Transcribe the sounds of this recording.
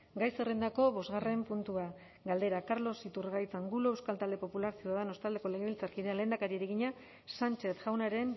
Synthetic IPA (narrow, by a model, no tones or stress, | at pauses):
ɡajserend̪ako̞βo̞zɣare̞mpunt̪ua | ɡald̪e̞ɾakaɾlo̞sit̪urɣajt͡saŋɡuloewskalt̪ald̪e̞po̞pulaɾsioaðano̞st̪ald̪e̞ko̞le̞ɣeβilt͡saɾkiðealeːnd̪akaɾieɾeɣiɲa | sant͡ʃe̞θʝawnaɾe̞n